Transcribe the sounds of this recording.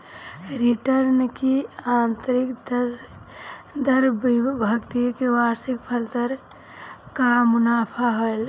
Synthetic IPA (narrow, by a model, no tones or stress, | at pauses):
ɾiʈəɾnkiaːnt̪əɾik̪ | d̪ʱəɾbibʱəɡt̪ikewaːɾsik̚pʰəlt̪əɾ | kamʊnaːpʰaɦoel